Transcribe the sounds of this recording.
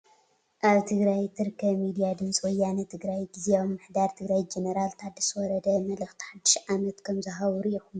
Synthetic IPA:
ʔaβt̪ʰɨɡɾajt̪ʰɨɾkʰːɐmid̪ijad̪ɨmsʼwɔjːanɐt̪ʰɨɡɾajɡizeomːɨħd̪aɾt̪ʰɨɡɾajd͡ʒenɐɾalt̪ʰad̪iswɔɾɐd̪ɐmɐlɨxt̪ʰi̥ħad̪ːɨʃʕamɐt̪kʰɐmzɐɦawuɾʔixum

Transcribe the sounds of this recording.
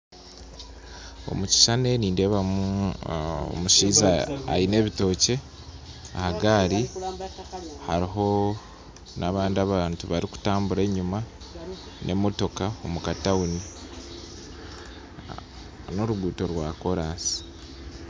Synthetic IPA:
o̞̰muci̥ʃane̞niːnde̞βamuu | o̰muʃiːza̰ːine̞ːβito̞ːce̞ | a̰haɡaːɾi | haɾiɦo̞ | nʔaβaːndiaβaːntuβaɾiku̥taːmbuɾe̞ːɲuma | nʔe̞mo̞to̞kao̞mukatauni | no̞ɾuɡuːto̞ɾwako̞ɾaːsi̥

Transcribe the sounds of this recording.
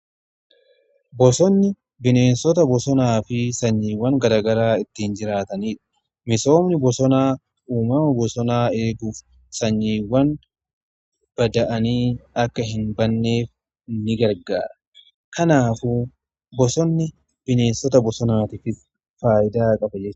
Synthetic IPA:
bɔsɔnːɪ | bɪne̞ːnsɔt̪ɐbɔsɔnaːfɪsɐɲːiːwːɐŋɡɐɾaːɡɐɾaːɪt̪ːɪnd͡ʒɪɾaːt̪ɐniːᶑɐ̥ | mɪso̞ːmnɪbɔsɔnaː | uːmɐmɐbɔsɔnaːe̞ːɡuːf | sɐɲːiːwːɐn | b̥ɐd̪ɐʔɐniːɐkːɐɦɪnbɐnːe̞ːf | nːɪɡɐɾɡa̰ːɾɐ | kɐnaːfuː | bɔsɔnːɪ | b̥ɪne̞ːnsɔt̪ɐbɔsɔnaːt̪ɪfɪs | faːʔɪd̪aːkʼɐbɐd͡ʒɛt͡ʃː

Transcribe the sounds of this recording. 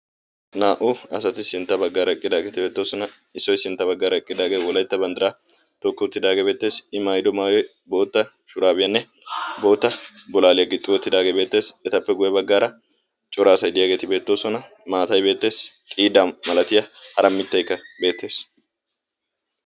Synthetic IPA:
naːʔʊɐs̬ɐt̪ɪsɪnt̪ːɐbɐɡːaːɾɐɛkʼːɪd̪aːɡe̞ːt̪ɪbe̞ːt̪ːo̞ːsɔnɐ | ɪsːɔjsɪnt̪ːɐbɐɡːaːɾɐɛkʼːɪd̪aːɡe̞ːwɔlɐjt̪ːɐbɐnd̪ɐɾa | t̪ɔkːɪɔt̪ːɪd̪aːɡeːbe̞ːt̪ːe̞ːsɪmajd̪ɔmaːjɔj | bo̞ːt̪ːɐ | ʃʊɾaːbɪjɐnːɛ | bo̞ːt̪ːɐbɔlaːlɪjɐɡɪt̪ʼːɪwɔt̪ːɪd̪aːɡebe̞ːt̪ːe̞ːsɛt̪ɐpːɛɡʊjɛbɐɡːaːɾɐ | t͡ʃʼɔɾaːsɐjd̪ɪjaːɡeːt̪ɪbe̞ːt̪ːo̞ːsɔnɐ | maːt̪ɐjbe̞ːt̪ːe̞ːstʼiːd̪amɐlɐt̪ɪjɐhɐɾɐmːɪt̪ːɐjkːɐbe̞ːt̪ːe̞ːs

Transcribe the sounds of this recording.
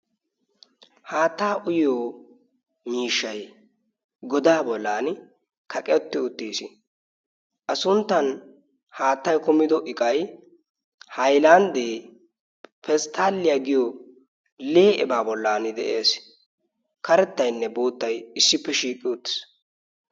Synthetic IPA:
haːt̪ːaːʔʊjoː | miːʃːɐj | ɡɔd̪aːbɔlːaːnɪ | kɐkʼɛɔt̪ːɪʊt̪ːiːsɪ | ʔɐsʊnt̪ːɐn | haːt̪ːɐjkʊmɪd̪ɔʔɪkʼɐj | hɐjland̪eː | pɛst̪ʰːaːlːɪjaɡɪjo | leːʔɛ̰baːbɔlːaːnɪd̪ɛʔeːs | kɐɾɛt̪ːɐjnːɛbo̞ːt̪ːɐjɪsːɪpːɛʃiːkʼːɪʊt̪ːɪ̥s

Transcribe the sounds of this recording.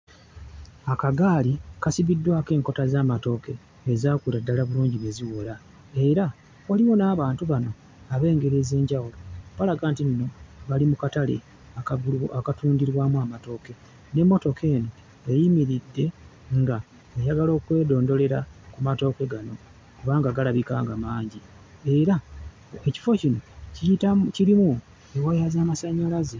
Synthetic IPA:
akaɡaːlikasiβidːwaːke̞ːŋko̞tazaːmato̞ːke̞ː | zaːkuladːalaβuluːɲɟiβeziwola | e̞ɾa | waliwo̞naːβaːntuβano̞ | aβe̞ːŋɡe̞ɾe̞ze̞ːɲɟawulo̞βalaɡaːntinno̞βalimukatale̞̰ | aakatuːndiɾwaːmwaːmato̞ːke̞ | ne̞mːo̞to̞kʰe̞ːno̞ | ejimiɾidːe̞ | ŋɡa | ejaɡalo̞ːkwe̞ːdo̞ːndo̞le̞ɾakumato̞ːke̞ɡano̞ | kuβaːŋɡaːɡalaβikaːŋɡamaːɲɟi | e̞ɾa | eci̥fo̞cino̞ciitaciɾimu | ewajazaːmasaɲːalaze

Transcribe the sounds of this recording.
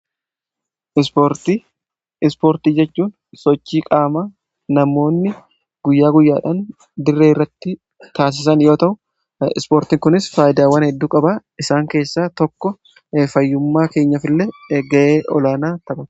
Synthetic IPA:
ɾt̪ | ɪspoːɾt̪iːd͡ʒɛt͡ʃːuːn | sɔt͡ʃːiːkʼaːmaː | nɐmːo̞ːnːɪ | ɡ̥ʊjːaːɡʊjːaːᶑaːn | d̪ɪrːeːɪrːɐt̪ːɪ | t̪aːs̬ɪs̬ɐnjo̞ːt̪ɐʔʊ | ɪ̰spoːɾt̪iːŋkʊnɪsfaːjɪd̪aːwɐnhɛd̪ːuːkʼɐbaʔɪsaːŋke̞ːsːaːt̪ɔkːɔ | fɐjːʊmːaːke̞ːɲːɐfɪlːeɡɐʔeːʔɔlaːnaːt̪ɐbʊ

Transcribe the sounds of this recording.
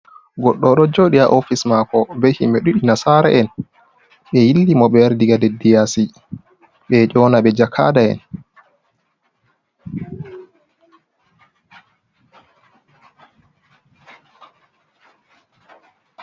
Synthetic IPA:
ɡɔɗːɔɗɔd͡ʒoɗiaʔofismakɔbehimeɗuɗinasaɾaʔɛn | ɓɛjilːimɔɓɛɾdiɡadedːijasi | ɓɛt͡ʃɔːnaɓɛd͡ʒakʰa̰ːdaɛ̰n

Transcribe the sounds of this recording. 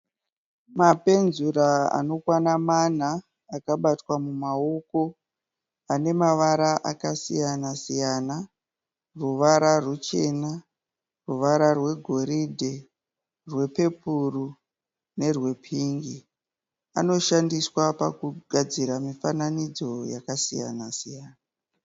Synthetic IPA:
mape̞nzuɾaa̰no̞kwanaman̤aː | kaɓatwamumaoko̞ | ane̞maʋaɾaʔakasijanasijana | ruʋaɾarut͡ʃe̞na | ruʋaɾarwe̞ɡʱo̞ɾidʱe | rwe̞pe̞puru | ne̞rwe̞pʰiːŋɡi | a̰no̞ʃandiswapakuɡʱad͡ziɾamifananid͡zo̞jakasija̰nasijaːna

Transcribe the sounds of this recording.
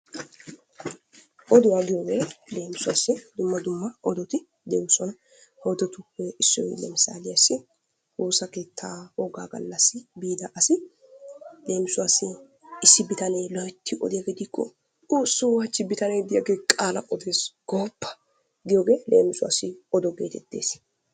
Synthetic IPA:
ʔɔd̪ʊwaːɡɪjoːɡe̞ːle̞ːmɪsʊwa̰ːsːɪd̪ʊmːɐd̪ʊmːɐʔɔd̪ɔt̪ɪ | d̪eːwsɔnɐ | hoːd̪ɛt̪ʊhɛʔɪsːɔ̰lɛmɪsa̰ːlɪjɐsːɪ | huːsɐke̞ːt̪ʰːaːhɔɡaːɡɐ̰lːɐsːɪbiːd̪ɐʔɐsɪ | le̞ːmɪsʊwaːsːɪ | ɪsːɪbɪt̪ɐneːlɔjt̪ʰːɪʔɔ̰d̪ɪjaɡed̪ɪkːɔ̰ | uːsːʊwaːt͡ʃːɪbɪt̪ɐnɛjd̪ɪjaɡe̞ːkʼaːlɐ̰ʔɔd̪e̞ːsɡ̥oːpːɐ̥ | ɡɪjoːɡe̞ːlḛːmɪsʊwa̰sɪɔd̪ɔɡḛːt̪ɛt̪ːe̞̰ːs

